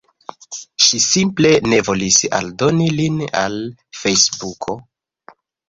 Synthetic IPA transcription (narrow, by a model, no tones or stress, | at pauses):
ʃisimple̞ne̞vo̞lisa̰ldonilina̰l | fe̞jsbukʰo̞